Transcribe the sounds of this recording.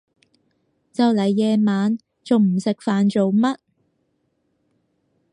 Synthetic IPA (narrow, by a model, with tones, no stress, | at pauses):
t͡sɐ˨wlɐ˨jːɛː˨˧maː˨˧n | t͡so˨wm̩˨˩sɪ˨k̚faː˨nt͡so˨wmɐ˥t̚